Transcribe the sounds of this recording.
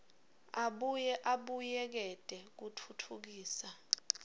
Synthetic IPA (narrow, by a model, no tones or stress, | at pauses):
aɓujɛʔaɓujɛk̬ɛd̥ʱʼɛk̬utʰutʰuk̬iːsa